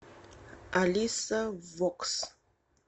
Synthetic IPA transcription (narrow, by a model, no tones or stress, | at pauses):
ʔalisavɔks